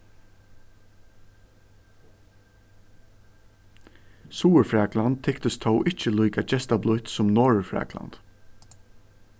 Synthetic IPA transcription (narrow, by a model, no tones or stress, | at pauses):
suːəɹfɹaːklant̪̚ʰːɪkt̪əst̪ʰɔwʔɪht͡ʃəlujkat͡ʃɛst̪ablʊht̪sʊmnɔːɹfɹɛ̰ːkla̰nt̪